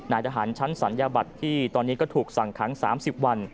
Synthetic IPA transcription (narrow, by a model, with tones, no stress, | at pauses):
naː˩˦jt̪ʰa˧ɦaː˩˦nt͡ɕʰa˦˥nsa˩˦njaː˧ba˨˩t̪ʰːiː˥˩t̪ɔː˧nːiː˦˥kɔː˥˩t̪ʰuː˨˩k̚sa˨˩ŋkʰa˩˦ŋsa̰ː˩˦msi˨˩p̚wa˧n